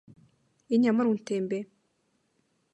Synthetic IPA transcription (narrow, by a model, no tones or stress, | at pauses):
iɲamaɾunteːmbe